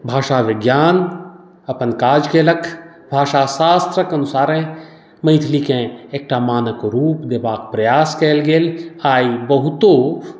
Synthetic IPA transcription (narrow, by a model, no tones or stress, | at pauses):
bʱaːʃaʋɪɡjaːn | ɐpənkaːd͡ʒkelɐkʰ | bʱaːʃasaːst̪ɾəkɐnʊsaːɾẽ | mɐ̃jt̪ʰlikẽeːk̚ʈaːmaːnəkɾuːpd̪ebaːk̚pɾɐjaːskeːlɡeːlaːibɐɦʊt̪o